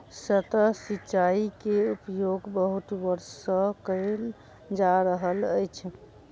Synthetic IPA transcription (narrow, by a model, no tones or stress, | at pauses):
sət̪əsitːt͡ʃaikeupjoɡbəɦut̪ʋəɾsəkəɪl | d͡ʒaɾəɦələjt͡ʃʰ